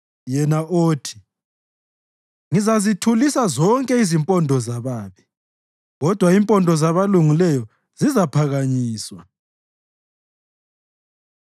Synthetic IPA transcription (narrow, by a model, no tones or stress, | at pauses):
jɛnaʔoːtʰi̥ | ŋizazitʰulisazɔŋkʼɛizimpʼɔndʱɔzaβaːβi | ɣɔd̥ʱwaimpʼɔndʱɔzaβaluŋilɛjɔ | z̥izapʰaɣaɲiːswa